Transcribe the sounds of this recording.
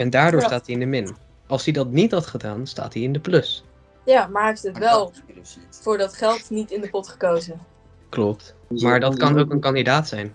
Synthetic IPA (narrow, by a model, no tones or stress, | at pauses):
ɛndaːɹdʊːstaːtiɪndəmɪn | ɑlˠsidɑtnitɦɑtχədaːnsta̰ːtiɪndəplɵs | jaːmaːɹɦeftətʋɛlˠ | fʊːɹdɑtχɛlˠtnitɪndəpɔtχə̥kowzən | klɔp̚t | maːɹdɑtkɑnowkənkɑndidaːtsɛjn